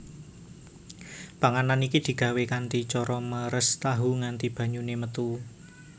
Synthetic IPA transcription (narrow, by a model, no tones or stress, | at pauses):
paŋananikid̪̥i̤ɡ̥ä̤wekant̪it͡ʃɔɾɔməɾəst̪aɦuŋant̪ib̥ä̤ɲunemət̪u